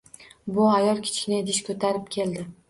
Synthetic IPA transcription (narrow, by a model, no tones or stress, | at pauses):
bʊajɒlˠkʲʰɪ̥t͡ʃkʲɪnɪd̪ɪʃkʰɵt̪ʰaɾɪp̚kʲʰe̞ld̪ɪ